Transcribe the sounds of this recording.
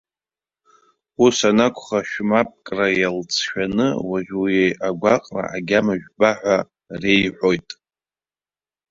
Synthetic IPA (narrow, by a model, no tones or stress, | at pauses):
usanakʷʰʼχaʃᶣmapʼkʼrajalt͡sʰʃᶣanɨ̰waʒʲujejʔaɡʷaqʼra̰ʔaɡʲamaʒᶣbaħᶣʷa | re̞jħʷᶣo̞jtʼ